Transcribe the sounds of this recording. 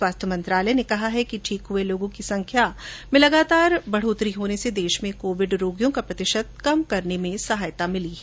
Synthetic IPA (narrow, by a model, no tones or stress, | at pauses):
swaːst̪ʰjəmɐ̃nt̪ɾaːləjnekɐɦaɦɛkiʈʰiːkɦʊeloːɡõkisɐ̃ŋkʰjamẽlɐɡaːt̪aːɾbɐɽ̤oːt̪ɾiɦoːnesed̪eːʃmẽkoːʋɪɖɾoːɡjõkapɾɐt̪ɪʃət̪̚kɐmkɐɾnemẽsɐɦaːjt̪amɪliɦɛ